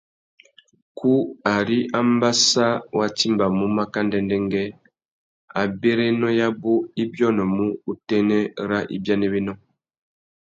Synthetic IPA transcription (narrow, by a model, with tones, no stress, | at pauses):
kʰu˦a˨ɾi˦ʔa˦mba˦sa˦wa˨ti˦mba˨mu˦ma˦ka˦ndɛ˦ndɛ˦ŋɡɛ˦ | a˨be˦ɾe˦nɔ˦ja˦bo˦i˦bjɔ˦nɔ˨mu˦u˨tɛ˦nɛ˦ɾa˦ʔḭ˦bja˦nɛ˦be˦nɔ˦